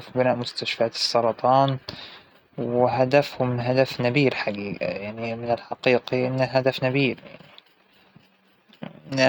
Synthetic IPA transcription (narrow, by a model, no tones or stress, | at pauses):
fbɪnaːʔmʊst̪aʃfaːt̪ɨ̥sˤːɑɾˤɑt̪ˤɑːn | wɪɦad̪afhʊmɦad̪afnabiːɾħaɡiːɡa̰jaʕnimɪnɪlħɑqiːqiʔɪnːaɦad̪afnabiːɾja̰ʕni